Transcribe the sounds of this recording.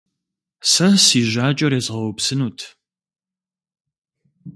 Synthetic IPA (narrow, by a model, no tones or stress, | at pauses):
sɐsiːʒʷaːt͡ʃʼɐɾeːzʁɐwɔpsɨnuːtʰ